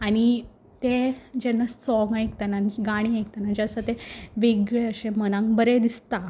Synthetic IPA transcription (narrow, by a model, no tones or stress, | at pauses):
aɽ̃i | t̪ed͡ʑenːəssɔŋajek̚t̪ananiɡaɽ̃iajk̚t̪anad͡ʑasat̪eʋeɡɭeəɕẽmənãŋkbəɾed̪ist̪a